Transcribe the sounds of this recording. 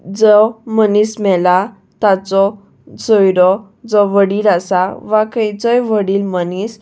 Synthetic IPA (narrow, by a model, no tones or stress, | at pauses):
d͡zɔmənismɛla | t̪at͡sɔ | sɔjɾɔ | d͡zɔʋəɽiːɾasaʋakəjt͡sɔjʋəɽiːlmənis